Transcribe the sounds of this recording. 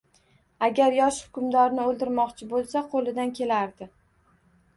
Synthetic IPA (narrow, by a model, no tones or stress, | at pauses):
aɡʲaɾjɒʃhʊ̥kʲʊmd̪ɒɾnɪolˠd̪ɪɾmɒqt͡ʃʰɪbolˠsaqʰolˠɪd̪ankʲʰe̞laɾd̪ɪ